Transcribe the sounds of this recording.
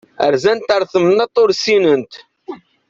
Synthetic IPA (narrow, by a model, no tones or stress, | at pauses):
ə̰ɾzænt̪əɾˤθəmnɑt̪ˤːʊɾsinənt̪